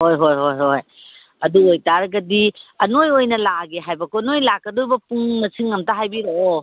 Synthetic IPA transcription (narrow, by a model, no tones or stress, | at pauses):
hojɦojɦojɦoj | ɐduojtaɾɐɡɐdiɐnojojnɐlaɡeɦajbɐkonojlakːɐdojbɐpuŋmɐsʰɯŋɐmtaɦajbiɾoo